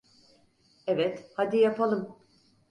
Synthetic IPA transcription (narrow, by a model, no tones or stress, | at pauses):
evɛt̪had̪ijapʰalˠɯm